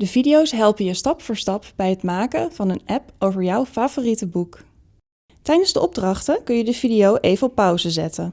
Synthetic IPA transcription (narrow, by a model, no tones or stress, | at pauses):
dəvidiowsɦɛlˠpəjəstɑpfəːɹstɑpb̥ɛjɦətmaːkəvɑnənɛpowvəɹjɔwfaːvoːritəbuk | tɛjdənzdəʔɔb̚drɑχtəkɵnjədəv̥idiowʔejvənɔpːʌwzəzɛtən